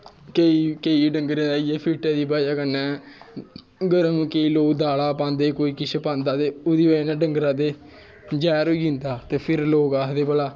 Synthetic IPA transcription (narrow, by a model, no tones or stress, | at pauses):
keiːkeiːɖəŋɡɾẽːaːijɛːpʰiːʈãːd̪iːbaːd͡ʒaːkənːɛ̃ː | ɡəɾãːnũːkeiːloːkd̪aːlaːpãːnd̪eːkoːiːkɪʃʰepãːnd̪aːt̪eːoːd̪iːʋənãːɖəŋɡɾãːd̪eː | d͡ʒɛːɾoːɡĩːnd̪aːt̪eːpʰɪɾloːkaːd̪eːbəlaː